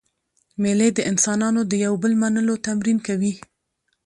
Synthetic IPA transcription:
meled̪əʔɪnsɑnɑnod̪əjawbəlmanəlot̪amɾinkawi

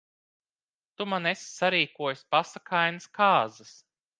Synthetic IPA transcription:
t̪umanesʲsaɾiːkuɔjsʲpasakʰajnɨskʰaːzɐs

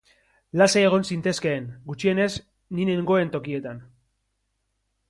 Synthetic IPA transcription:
lase̞ːɣ̞o̞nsint̪e̞ske̞ːnɡut͡ʃie̞ne̞s | nine̞ŋɡo̞e̞nt̪o̞kie̞t̪an

